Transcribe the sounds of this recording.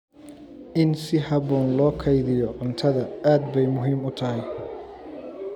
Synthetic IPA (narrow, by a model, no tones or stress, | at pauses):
ʔɪnsɪɦɑβɔːnlɔːkʰɐjðɪjɔʔʊnt̪ʰɐðɐaːd̪bɛjmʊɦiːmʊt̪ʰɐɦɪj